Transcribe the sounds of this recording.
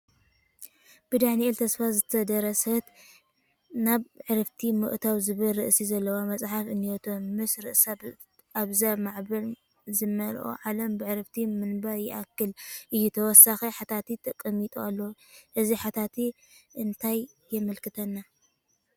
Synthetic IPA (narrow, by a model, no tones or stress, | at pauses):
b̥ɨd̪aħniʔɛlt̪ʰɐsfazɨt̪ʰɐd̪ɐɾɐsɐt̪ | naβʕɨɾɨft̪ʰimɨ̰ʔt̪ʰawzɨβɨlɾɨʔsizɐlːɐwamɐt͡sʼħafɨnːiot̪ʰomɨsɾɨʔsa | ʔaβzaβmaʕbɐl | zɨmːɐlʔo̰ʕalɐmbɨʕɨɾɨft̪ʰimɨnbaɾjɪʔakːɨlʔɨjːut̪ʰɐwɔsaxeħat̪ʰat̪it̪ʰɐkʼːɐmit̪ʼualːɐwʔɨziħat̪ʰat̪ʰi | ʔɨnt̪ʰajː | ɪmɨlkɨt̪ʰɐnːa